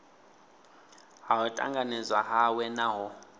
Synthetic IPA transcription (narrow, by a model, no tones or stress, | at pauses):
ɦaɦɔtʼa̰ŋɡanɛzwaɦawɛnaɦɔ